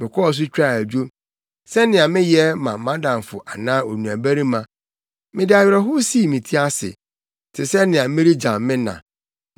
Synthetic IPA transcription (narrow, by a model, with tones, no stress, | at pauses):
mɪ̃˨kʰɔ˦ɔ˨s̬ʊ˦t͡ɕᶣa˦˨æ˨d͡ʑᶣo˦ | sɛ˦nɪ̃˨a˨mɪ̃˦jɛ˦mã˨mã˦dã˨m˨fʊ̰˨ʔa˨nãː˦o˨nũ˨æ˨bæ˦ɾi˦mã˨ | mɪ̃˨dɪ˦a˨ɥɾɛ˦ɦʊ˦si˦˨mĩ˨tʰi˦a˦sɪ̰˨ | tʰɪ˨sɛ˦nɪ̃˨ã˨mɪ̃˦ɾi˦d͡ʑã˨mmɪ̃˦nã̰˨